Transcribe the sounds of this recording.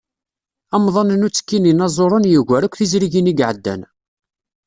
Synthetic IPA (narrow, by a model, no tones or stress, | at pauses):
ɑmðˤɑnnut͡sːə̥kːininɑzˤoɾˤənjəʝʷæɾækʷθizɾiʝiniɡʕəd̪ːæ̰n